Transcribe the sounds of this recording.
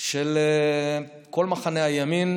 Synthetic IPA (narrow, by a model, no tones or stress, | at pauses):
ʃele | ko̞lmaχaneajamin